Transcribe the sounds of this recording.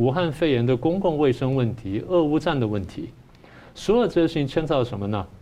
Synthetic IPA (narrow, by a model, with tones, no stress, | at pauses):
u˧˥xa˥˧nfe˥˩ɪjɛ˧˥nd̪ə˧kʊ˥ŋkʊ˥˧ŋwe˥˩ɪʂɤ˥ŋwə˥˩nt̪ʰi˧˥ɤ˥˩u˥ʈ͡ʂa˥˩nd̪ə˩wə˥˩nt̪ʰḭ˧˥ | ʂwɔ˧˥lʈ͡ʂɤ˥˧ɕi˥˧ŋt͡ɕʰjɛ˥nt͡sɑ˥˩ʊʂə˧˥nmə˧nə˨